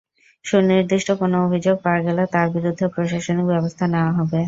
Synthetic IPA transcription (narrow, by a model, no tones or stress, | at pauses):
ʃuniɾd̪iʃʈokonoobʱid͡ʑoɡ̚paaɡɛlat̪aɾbiɾud̪ʱːepɾoʃaʃonikbɛbost̪ʰaneoaɦɔbe